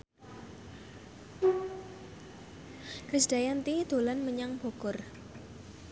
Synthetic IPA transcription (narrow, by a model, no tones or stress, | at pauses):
kɾɪsd̥a̤jant̪id̪̥o̤lanməɲaŋb̥o̤kʊr